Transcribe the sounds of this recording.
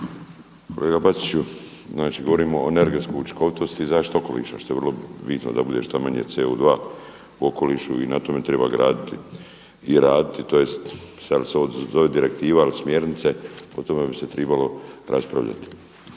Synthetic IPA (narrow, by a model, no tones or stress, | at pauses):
kʰo̞̰leɡabat̪i̥t͡ʃu | znaːt͡ʃiːɡo̞ʋo̞ɾiːmoːene̞ɾɡet̪skout͡ʃi̥ko̞ʋit̪o̞st̪izaːʃt̪o̞ko̞̰lḭːʃa̰ʃt̪o̞jerlo̞bit̪no̰d̪abud̪e̞ʃt̪amaɲḛt̪seud̪ʋaː | uo̞ko̞liːʃuinat̪ome̞t̪ɾe̞ba̰ɡɾa̰ːd̪it̪i | iɾaːd̪it̪it̪o̞je̞st̪saliseod̪zo̞ʋed̪iɾe̞k̚t̪iːʋailismje̞ɾnit̪se̞o̞t̪o̞me̞bise̞t̪ɾebalo̞ɾʔaspɾa̰ʋʎa̰t̪i̥